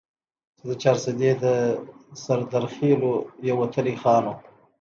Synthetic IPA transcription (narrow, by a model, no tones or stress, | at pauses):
t͡ʃed̪ət͡ʃɑɾsɪd̪ed̪əsaɾd̪aɾxelojawat̪ʰəlixɑːno